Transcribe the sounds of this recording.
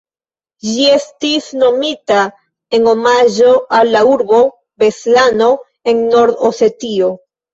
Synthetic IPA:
d͡ʒie̞stisno̞mita | e̞ŋo̞maʒo̞alːauɾbo̞ | be̞slano̞ | e̞nːo̞ɾd̪ose̞tio

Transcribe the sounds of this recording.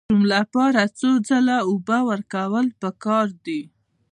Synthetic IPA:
umlapɑɾat͡sod͡zalaubawəɾkawəlpəkɑɾd̪i

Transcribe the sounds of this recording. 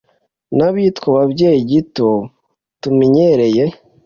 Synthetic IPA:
naβitkoβabɟe̞ːjiɟito | tumiɲeɾe̞je

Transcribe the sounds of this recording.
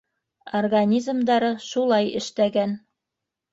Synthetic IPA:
orɡanʲizmd̪ɑɾɤʃulˠɑjɘ̰̆ʃt̪æɡæn

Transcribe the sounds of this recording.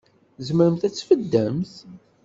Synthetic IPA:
zəməɾəmθæt͡sːfəd̪ːəmθ

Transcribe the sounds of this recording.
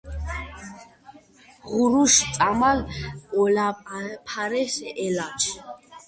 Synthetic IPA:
ʁuɾuʃʼamalɔlapʰaɾɛsɛʔɛlat͡ʃʰ

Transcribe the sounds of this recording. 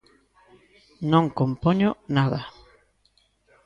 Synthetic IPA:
nõŋkompoɲʊnaða

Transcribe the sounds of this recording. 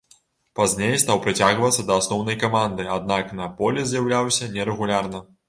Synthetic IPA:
pazʲnʲejst̪awpɾɨt͡sʲaɣvɐt̪sːɐd̪ɐːsnɔwnɐjkamand̪ɨad̪naknɐpɔlʲɛzʲjawlʲawsʲɐnʲɛɾɛɣulʲarnɐ

